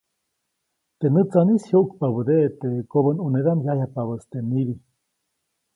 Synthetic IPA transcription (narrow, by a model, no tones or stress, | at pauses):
t̪enɨt͡sanishjoʔukpaβəd̪eʔt̪ekoβənuneðamjajapaβəst̪eniβi